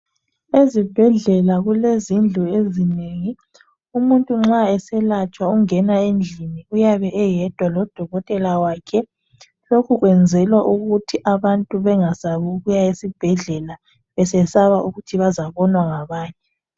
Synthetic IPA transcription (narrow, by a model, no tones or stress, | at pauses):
ezib̥ʱɛɮɛlaɣulezind͡ɮʱuezineːŋi | umuntʼuŋ͡ǁaɛsɛlat͡ʃʼwauŋɛnaend͡ɮʱiniujaβɛʔɛjɛd̥ʱwalɔd̥ʱɔɣɔtʼɛlawaːkʰɛ | lokʰuɣwɛnd͡zʱɛlwaʔuɣutʰiʔaβantʼuβɛŋasaβuɣujaesib̥ʱɛɮɛla | βɛsɛsaβauɣutʰiβazaβɔnwaŋaβaːɲɛ